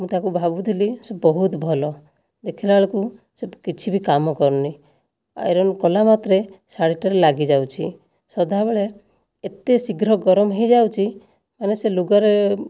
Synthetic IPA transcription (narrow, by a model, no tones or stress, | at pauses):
mũt̪akubʱabud̪ʱilisebɔɦut̪bʱɔlɔ | d̪ekʰilaɭɔku | sekit͡ʃʰibikamɔkɔɾni | a̰eɾɔnkɔlamat̪ɾesaɽiʈaɾelaɡid͡ʒawt͡ʃʰḭ | sɔd̪ʱabeɭeː | t̪esiɡɾɔɡɔɾɔmɔɦejd͡ʒawt͡ʃʰi | maneseluɡɔɾe